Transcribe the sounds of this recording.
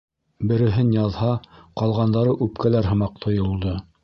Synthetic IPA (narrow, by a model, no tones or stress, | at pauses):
bɘ̆ɾɘ̆ɦɘnjɑðhɑqɑlˠʁɑnd̪ɑɾɤʔʉpkælæɾɦɤ̆mɑq̚t̪ʰŏjŏlˠd̪ɤ